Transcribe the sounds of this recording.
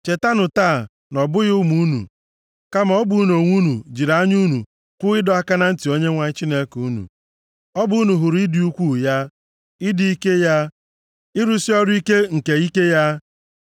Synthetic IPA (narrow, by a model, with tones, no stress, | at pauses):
t͡ʃe˨ta˦nʊ˨taː˦˨ | nɔ˨bʊ˦ɣʊ˦mu˦nṵ˨ | ka˦ma˨ɔ˦bu˨˦no˨ŋʷu˦nu˨d͡ʒi˨ɾa˦ɲu˦nṵ˨ | kʷʊ˦ɪ˦dɔ˦a˦ka˦na˦n̩˦ti˨o˦ɲe˦ŋʷa˨˦t͡ʃi˦ne˦ku˦nṵ˨ | ɔ˦bu˦u˦nu˨ɦʊ˨ɾɪ˦dɪ˨˦u˦kʷu˦˨ja˦ | ɪ˦di˦i˦ke˦ja˦ | ɪ˦ɾu˦si˦ɔ˦ɾʊ˦i˦ke˦ŋ̩˨ke˨i˦ke˦ja˦